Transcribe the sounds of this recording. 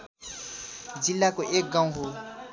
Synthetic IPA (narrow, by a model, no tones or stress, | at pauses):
d͡ʒilːakoʔek̚ɡãũɦo